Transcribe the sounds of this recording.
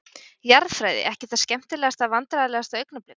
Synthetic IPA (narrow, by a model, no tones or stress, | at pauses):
jaɾðfɾajðɪ̰ʔɛhcɪθḁscɛm̥t̪ɪlɛːɣast̪avant̪ɾaðalɛːɣast̪aœɥknaplɪn